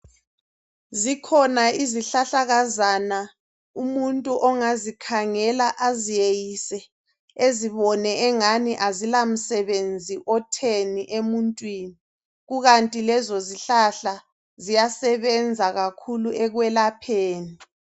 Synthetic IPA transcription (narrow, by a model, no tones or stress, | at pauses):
zikʰɔnaiziɬaɬaɣazana | umuntʼuʔɔŋazikʰaŋɛlaʔazijejisɛ | eziβɔnɛːŋaniʔazilam̩sɛβend͡zʱiʔɔtʰeniʔemuntʼwiːni | ɣuɣantʼilɛzɔziɬaɬa | zijasɛβɛnd͡zʱaɣakʰuluʔɛɣwɛlapʰeːni